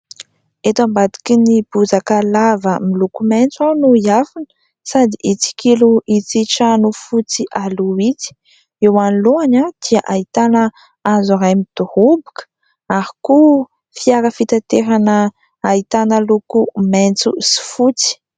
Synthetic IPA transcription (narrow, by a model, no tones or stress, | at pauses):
et̪ambad̪i̥kinib̥uzakəlavəmilukument͡suanuiafinə̥ | sad̪iʔit͡si̥kiluʔit͡siʈ͡ʂanufut͡siʔaluit͡si̥ | ewaniluanad̪̥iaʔait̪anə | azuɾajmid̪̥uhubi̥kə̥ | aɾiku | fiaɾəfit̪at̪eɾanəː | it̪anəlukument͡sṵsi̥fut͡si̥